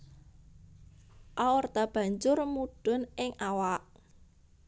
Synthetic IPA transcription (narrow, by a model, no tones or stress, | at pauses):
ʔawɔrd̪a̤b̥ä̤ɲd͡ʒʊrmuɖ̥ʊ̤nɪŋʔawaʔ